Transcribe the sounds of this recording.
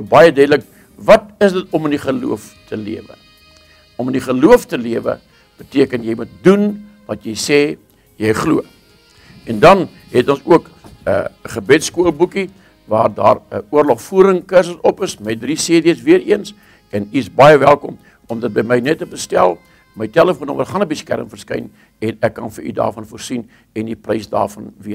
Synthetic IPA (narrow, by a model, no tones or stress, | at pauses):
bɐjədɛdlək̚ | vɐt̚əsdətɔməniχəlṵəf | tʰəlḭəvə̰ | ɔməniχəluəftəliəvə̰ | b̥ətiəkənjəjmut̚dun | vɐtjəjsɛː | jəjχluə | ɛndɐn | ɦɛtɔnsuək | ə̰əχəbɛtskuəlˠbuki | vɑːrdɑ̰ːrəuərlɔχfuːɾəŋkərs̬əsɔpəsmɛt̚drisiədiəsviəɾiəns | ɛniəsbɑjəvælˠkɔ̰m | ɔmdɐt̚bəjməjnɛtːəbəstælˠ | məjtæləfuənoməχɑnəbəskæ̰ɾəmfərskɐ̰jn | ɛnɛkːɐnfəɾy̰dɑ̰ːrfɐnfuərsin | ɛndiprəjsdɑ̰ːrfɐnviə